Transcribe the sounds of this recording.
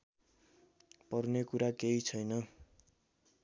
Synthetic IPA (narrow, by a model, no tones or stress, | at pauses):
pʌrnekuɾakeit͡sʰʌjnʌ